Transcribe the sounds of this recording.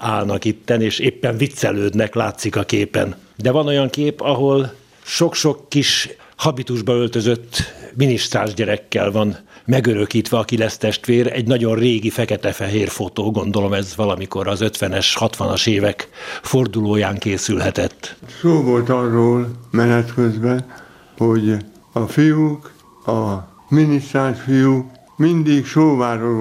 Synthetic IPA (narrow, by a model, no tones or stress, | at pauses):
aːlnɒkit̪ːɛneːʃeːpːɛɱvit̪sɛløːd̪nɛklaːt̪sikɒkeːpɛn | d̪ɛvɒno̞jɒŋkeːpɒɦo̞l | ʃo̞kʃo̞kːiʃ | hɒbit̪uʒbɒølt̪øzøt̪ːminiʃt̪raːlʒɟɛɾɛkːɛ̰lvɒnmɛɡøɾøkiːt̪ʋɛɒkilɛst̪ɛʃt̪ʋeːɾɛ̰ɟnɒɟo̞nreːɡifɛkɛt̪ɛfɛɦeːrfo̞t̪oːɡo̞nd̪o̞lo̞mɛzʋɒlɒmiko̞ɾɒzøt̪ʋɛnɛʃhɒt̪ʋɒnɒʃeːvɛkfo̞rd̪uloːjaːŋkeːsylɦɛt̪ɛt̪ːsoːvolt̪ɒroːlmɛnɛt̪køzbɛn | ho̞ɟ | ɒfijuk | ɒ | minist̪aːlʃfijuk̚ | mind̪ikʃoːvaːɾoːl